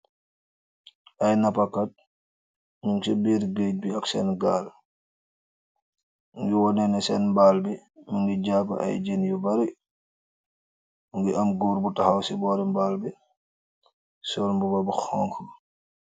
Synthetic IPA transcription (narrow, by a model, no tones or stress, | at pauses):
ʔɐjnɐpɐkːat̚ | ɲumsibiːɾɡəc̚biɐksɛnɡaːl | ŋɡiwɔnɛnɛsɛnmbaːlbimuŋɡiɟaːpɐ̰ʔɐ̰jd͡ʒenjubɐɾi | muŋɡiʔɐmɡuːɾbutɐxɐwsibɔːɾimbaːlbi | sɔːlmbubɐbuxɔŋkʰ